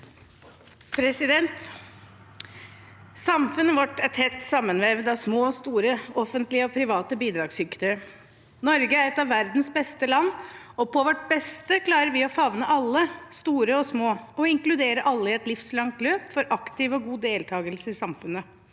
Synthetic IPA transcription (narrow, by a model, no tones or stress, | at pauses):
pʰɾɛsɪd̪ɛnt̪ | sɑmfʉnːəʋɑʈːæɛt̪hɛt̪ːsɑmːənʋeːʋəd̪ɑʋsmoːɔst̪uːɾəɔfənt̪lɪəɔpʰɾɪʋɑːt̪əbiːd̪ɾɑːɡsʏkt̪ə | nɔɾɡəæɾɛt̪ɑʋːæɾd̪nsbɛst̪əlɑnːɔpʰɔʋɔʈ̚bɛst̪əkʰlɑːɾəɾʋɪɔfɑʋnəʔɑlːəst̪uːɾəɔsmoːɔɪŋklʉd̪eːɾəʔɑlːəɪɛt̪lɪfslɑŋt̪løːpfɔɾʔɑkt̪ɪʋɔɡuːd̪eːlt̪ʰɑːɡəlsəɪsɑmfʉnːə